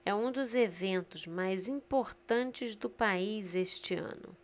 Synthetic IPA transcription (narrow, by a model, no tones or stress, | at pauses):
ɛũd̪ʊzevẽnt̪ʊzmajzĩpoɾt̪ɐ̃nt͡ʃɪzd̪ʊpaizeʃt͡ʃɪɐ̰̃nʊ̰